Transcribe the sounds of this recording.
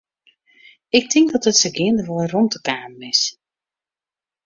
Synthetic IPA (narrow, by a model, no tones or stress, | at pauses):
ɪk̚tʰɪŋkdɔtətsəɡɪəndəʋɔlˠərɔntəkaːmɪs